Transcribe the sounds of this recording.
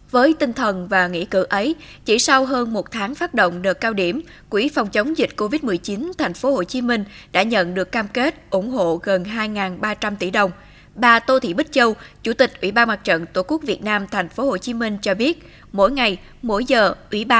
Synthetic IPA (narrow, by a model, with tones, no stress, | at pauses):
vəː˨˦jt̪ï˧ŋ̟t̪ʰə˨˩nvaː˨˩ŋḭ˧˥kɨ̰˧˩ʔə˨˦j | t͡ɕḭ˧˩sa˧wɦəː˧nmo˨˩t̚t̪ʰaː˨˦ŋfaː˦˥t̚ɗo̰˧˨wŋ͡mɗɨ˨˩əkːaː˧wɗi˧˩əm | kwḭ˧˥fɔ˨˩wŋ͡mt͡ɕə˨˦wŋ͡mzï˨˩k̟̚ko˧vi˦˥t̚mɨ˨˩əjt͡ɕi˨˦nt̪ʰa˨˩jŋ̟fo˨˦ho˧˨˩t͡ɕi˨˦mï˧ŋ̟ɗa̰ː˧˥ɲə̰˧˨nɗɨ˨˩əkːaː˧mke˦˥t̚ʔʊ˧˩ŋ͡mɦo̰˧˨ɣə˨˩nɦaː˧jŋaː˨˩nɓaː˧t͡ɕa˧mt̪ḭ˧˩ɗə˨˩wŋ͡m | ɓaː˧˩t̪o˧t̪ʰḭ˧˨˩ɓï˦˥t̚t͡ɕə˧wt͡ɕu˧˩t̪ï˨˩k̚ʔwi˧˩ɓaː˧nmaː˨˩t̚t͡ɕə̰˧˨nt̪o˧˩ku˦˥ək̚vi˨˩ət̚naː˧mt̪ʰa˨˩jŋ̟fo˨˦ho˨˩t͡ɕi˨˦mï˧ŋ̟t͡ɕɔ˧ɓi˦˥ət̚ | mo̰˧˥˨jŋa˨˩j | mo̰˧˥jzəː˨˩ʔwḭ˧˩ɓaː˧